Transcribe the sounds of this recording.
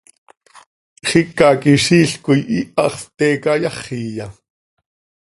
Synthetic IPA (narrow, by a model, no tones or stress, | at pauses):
χikɑkiʃiːɬkujʔiʔɑχt̪ɛːkɑjɑχiːjɑ